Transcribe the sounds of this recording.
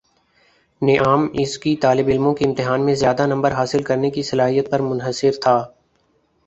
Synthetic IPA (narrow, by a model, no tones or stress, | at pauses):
nɪʔaːmɪskit̪aːlɪbɪlmõkiɪ̃mt̪ɪɦaːnmẽzjaːd̪anɐ̃mbəɾɦaːsɪlkɐɾnekisɐlaːɦijət̪̚pɐɾmʊ̃nɦəsɪɾt̪ʰaː